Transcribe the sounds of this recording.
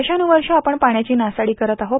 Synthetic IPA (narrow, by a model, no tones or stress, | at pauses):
ɕanuʋəɾʂəapəɳpaɳ̃jat͡ɕiːnasaɽiːkəɾət̪aɦo